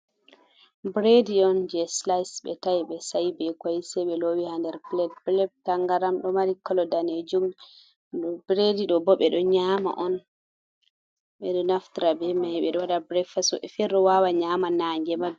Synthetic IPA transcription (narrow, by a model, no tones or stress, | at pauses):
bɾediɔnd͡ʒɛslajsɓɛ̰tajɓɛsajbɛkwajsɛɓɛlowihandɛɾplɛplɛb̚taŋɡaɾamɗɔmaɾikːɔlɔdaned͡ʒum | bɾediɗɔbɔɓɛɗɔɲama̰ʔɔn | ɓɛɗɔnaftiɾabɛmajɓɛɗɔwaɗabɾɛfasɔ̰ʔɛfɛɾɗɔwawaɲamanaːŋɡɛmab